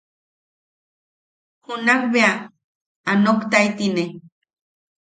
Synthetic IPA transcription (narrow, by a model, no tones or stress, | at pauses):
hunakbea | anokt̪ajt̪ine